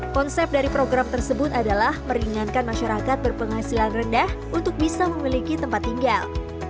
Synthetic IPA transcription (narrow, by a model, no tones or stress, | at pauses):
kɔnsɛp̚daɾipɾoɡɾamt̪ərsəbʊt̪adalahməɾiŋankanmaʃaɾakat̪̚bərpəŋɦasilanrəndahʔunt̪ʊk̚bisaməmilikit̪əmpat̪ːiŋɡal